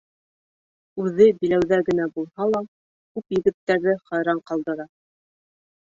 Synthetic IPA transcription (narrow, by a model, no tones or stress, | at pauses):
ʉðɘbilæwðæɡɘ̆næbulˠhɑlˠɑ | kʉpjɘ̆ɡɘ̆t̪ːæɾðɘχɑjɾɑɴqɑlˠd̪ɤ̆ɾɑ